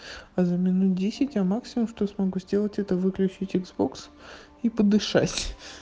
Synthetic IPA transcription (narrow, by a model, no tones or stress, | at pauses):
ɐzəmʲɪnut̪̚dʲesʲɪtʲjamaksʲɪmʊmʂt̪osmɐɡuzʲdʲelˠətʲɛt̪əvɨklʲʉt͡ɕitʲɪɡzbo̞ks | ipəd̪ɨʂa̰tʲ